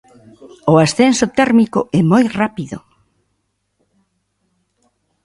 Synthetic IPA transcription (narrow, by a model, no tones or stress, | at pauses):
ʊasθensʊt̪ɛɾmikʊ̰ɛmojrapiðʊ